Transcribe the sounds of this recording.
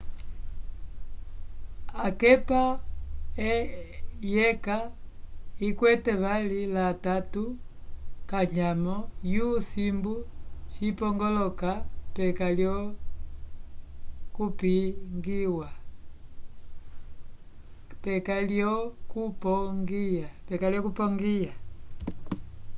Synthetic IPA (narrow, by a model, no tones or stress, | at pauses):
akɛpa | ɛ | jɛka | ikwɛtɛβalilatatu | kaɲamɔjusimbut͡ʃipɔŋɡɔlɔkapɛkaljɔ | kupiŋɡiwa | pɛkaljɔkupɔŋɡiapɛkaljɔkupɔŋɡia